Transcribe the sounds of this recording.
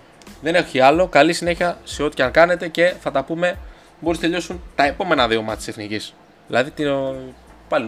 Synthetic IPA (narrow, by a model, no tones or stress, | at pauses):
ðe̞ne̞xiɐlo̞kɐlisine̞çiɐseo̞t̪i̥ɐŋkɐne̞t̪e̞ce̞θɐt̪ɐpume̞ | bo̞ɾisɐt̪eʎo̞sunt̪ɐe̞po̞me̞nɐðio̞mɐt̪i̥seθnicis | ðilɐðit̪i | pɐl